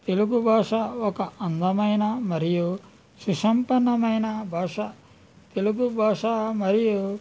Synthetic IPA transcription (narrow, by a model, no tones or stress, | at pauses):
t̪e̞luɡubʱaːʂɐɔkɐʔɐnd̪ɐmɐjnɐmɐɾiju | suʂɐmpɐnːɐmɐjnɐbʱaːʂɐ | t̪e̞luɡubʱaːʂɐmɐɾiju